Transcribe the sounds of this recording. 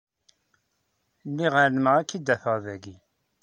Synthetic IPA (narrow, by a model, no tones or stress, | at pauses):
mːiʁəɾnməʁækːid̪ːæθəʁðæɡi